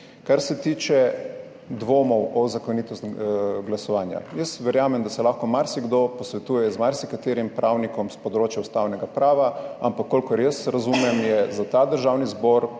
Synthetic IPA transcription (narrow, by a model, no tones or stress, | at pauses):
kaɾsɛt̪iːt͡ʃɛ | d̪ʋoːmɔwʔɔzakoniːt̪ɔst̪ɡlasɔʋaːnja̰jəsʋɛɾjaːmɛmd̪asɛlaːxkɔmaɾsiɡd̪opɔsʋɛt̪uːjɛzmaɾsikat̪eːɾimpɾʔawnikɔmspɔd̪ɾoːt͡ʃjaust̪aːwnɛɡapɾaːʋaampakːolʲkɔɾjəsɾazumɛmjɛzat̪ad̪əɾʒawnizboɾ